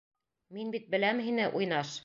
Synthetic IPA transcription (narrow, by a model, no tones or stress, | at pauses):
minbit̪̚bɘ̆læmɦinɘʔujnɑʃ